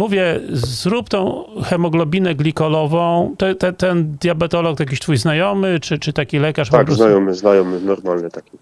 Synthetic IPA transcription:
muvʲjɛzɾupt̪ɔ̃w̃xɛmɔɡlɔbʲinɛɡlʲikɔlɔvɔ̃w̃t̪ɔt̪ɛt̪ɛnd̪ʲjabɛt̪ɔlɔk̪jak̬ʲiɕt̪fujznajɔmɘt͡ʂɘt͡ʂɘt̪akʲilɛkaʂt̪akpɡzznajɔmɘznajɔmɘnɔɾmalnɛt̪akʲi

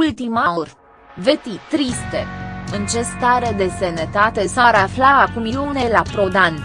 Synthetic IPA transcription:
ult̪imaorʲ | ve̞t̪it̪ɾist̪eɨnt͡ʃe̞st̪aɾe̞d̪e̞senet̪at̪e̞saɾaflaakumilunelapɾo̞d̪anʲ

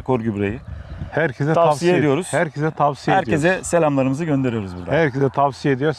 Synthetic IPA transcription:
kʰoɾɟybɾḛjihæɾcʰezɛt̪ʰavsijeed̪ijoɾuz̥hæɾcʰezɛt̪ʰavsijeæɾjʲezɛse̞lʲamlˠaɾɯmɯzɯɟønd̪e̞ɾijo̞ɾuzbuɾd̪ahæɾcʰezɛt̪ʰavsijed̪ijoɾ

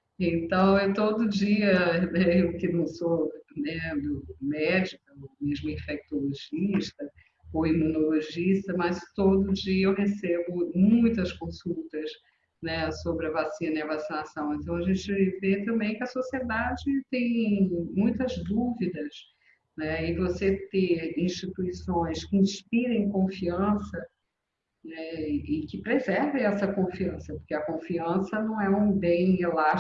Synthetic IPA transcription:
ẽnt̪ɐ̃w̃ewt̪od̪ʊd͡ʒiɐnɛeʊkɪnɐ̃w̃sonɛd̪ʊmɛd͡ʒikɐomeʒmʊĩfɛk̚t̪oloʒiʃt̪ɐ | oimũnoloʒiʃt̪ɐmɐst̪od̪ʊd͡ʒiɐewhesebʊmũj̃t̪ɐskõsuwt̪ɐs | nɛsobɾɪɐvasĩnɐniɐvasinasɐ̃w̃ẽnt̪ɐ̃w̃ɐʒẽnt͡ʃɪvet̪ɐ̃mbẽj̃kɪɐsosied̪ad͡ʒɪt̪ẽj̃mũj̃t̪ɐzd̪uvid̪ɐs | nɛɪvoset̪ẽĩʃt͡ʃit̪uisõj̃skɪĩʃpiɾẽj̃kõfiɐ̃sɐ | nɛɪkɪpɾezɛɾvẽj̃ɛsɐkõfiɐ̃sɐpoɾkeɐkõfiɐ̃sɐnɐ̃w̃ɛũbẽj̃ela

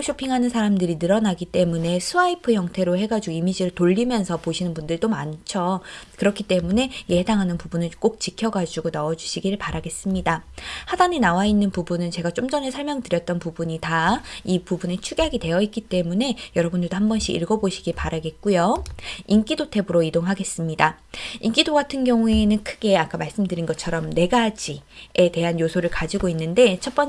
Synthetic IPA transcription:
ɕʰopʰiŋɦanɯnsʰaɾamdɯɾinɯɾʌnaɡit͈e̞mune̞sʰuaipʰɯjʌŋtʰe̞ɾohe̞ɡad͡ʑuɡoimid͡ʑiɾɯɭtoʎːimjʌnsʰʌpoɕʰinɯnbundɯɭt͈omant͡ɕʰokɯɾʌkʰit͈e̞mune̞je̞daŋɦanɯnpubunɯɭk͈ok̚t͡ɕikʰjʌɡad͡ʑuɡonaʌd͡ʑuɕʰiɡiɾɯɭpaɾaɡe̞s͈ɯmɲidahadanenawainːɯnpubunɯnt͡ɕe̞ɡat͡ɕ͈omd͡ʑʌne̞sʰʌɭmjʌŋtɯɾjʌt̚t͈ʌnpubuɲitaipubunet͡ɕʰuɡeɦaɡide̞jʌit̚k͈it͈e̞mune̞jʌɾʌbundɯɭdoɦambʌnɕ͈ʰḭḭɭɡʌboɕʰiɡipaɾaɡe̞t̚k͈ujoink͈idotʰe̞bɯɾoidoŋɦaɡe̞s͈ɯmɲida | ink͈idoɡatʰɯnɡjʌŋue̞nɯnkʰɯɡe̞ak͈amaɭs͈ɯmdɯɾinɡʌt͡ɕʰʌɾʌmne̞ɡad͡ʑiete̞ɦanjosʰoɾɯɭkad͡ʑiɡoinːɯnde̞t͡ɕʰʌt̚p͈ʌn

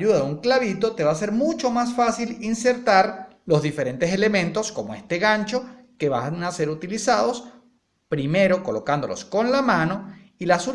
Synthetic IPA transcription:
uðaðeuŋklaβit̪o̞t̪e̞βase̞ɾmut͡ʃo̞masfasilinse̞ɾt̪aɾ | lo̞zðife̞ɾẽ̞nt̪e̞se̞le̞mẽ̞nt̪osko̞moe̞st̪e̞ɣaɲt͡ʃo̞ | ke̞βanase̞ɾut̪ilisað̞o̞s | pɾime̞ɾo̞ko̞lo̞kand̪o̞losko̞nlamãno̞ | ilasu

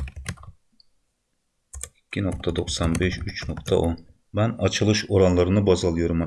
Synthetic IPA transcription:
ikʲʰːinoq̚t̪ʰɑd̪oqsɑnbeʃyt͡ʃnoq̚t̪ʰɑ̰ʔon | mɛnɑt͡ʃʰɯlˠɯʃoɾɑnlˠɑɾɯnɯbɑzɑlˠɯjoɾm

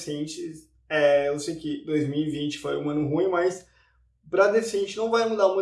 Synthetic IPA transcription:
sẽt͡ʃɪs | ɛewsejʊkɪd̪ojzmiwivĩnt͡ʃɪ̥fojũɐ̃nʊɦũj̃ʊmɐjs | pɾɐd̪efsẽnt͡ʃɪnɐ̃w̃vajmud̪aɾmũ

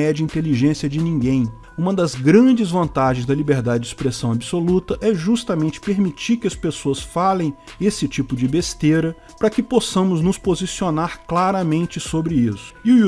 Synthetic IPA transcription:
ɛd͡ʒɐĩnt̪eliʒẽsiɐd͡ʒɪnĩɡẽj̃ | ũmɐd̪ɐzɡɾɐ̃d͡ʒɪzvɐ̃nt̪aʒẽj̃zd̪ɐlibeɾd̪ad͡ʒɪd͡ʒɪspɾesɐ̃w̃abisolut̪ɐʔɛʒust̪ɐmẽnt͡ʃɪ̥peɾmit͡ʃiɾkɪɐspesoɐsfalẽj̃esɪt͡ʃipʊd͡ʒɪbest̪eɾɐ | pɾɐkɪposɐ̃mʊznʊspozisionaɾklaɾɐmẽnt͡ʃɪsobɾɪisʊ̥ɪu

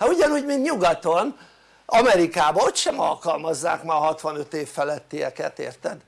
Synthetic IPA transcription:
hɒuɟɒnuːɟmint̪ɲuɡɒt̪on | ɒmɛɾikaːbɒot̪ʃɛmɒ̰lkɒlmɒzːa̰ːkmaːɦɒt̪ʋɒnø̞t̪eːfːɛlɛt̪ːiɛ̰kɛt̪ḛːrt̪ɛd̪

